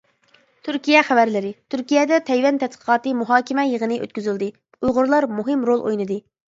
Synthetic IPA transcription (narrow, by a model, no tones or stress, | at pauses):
t̪ʰyɾkʲijɛχævæɾlɪɾɪt̪ʰyɾkʲijɛd̪ɛt̪ʰɛjwɛnt̪ʰɛt̪̚qʰə̥qʰɑːt̪ɨmuɦɑːkʲɪmɛjəʁənɨʔø̰t̪̚kʲyzyld̪ɨ | ujʁʊɾlˠɑɾmuɦɪmɾolˠʔo̰jnɨd̪ɨ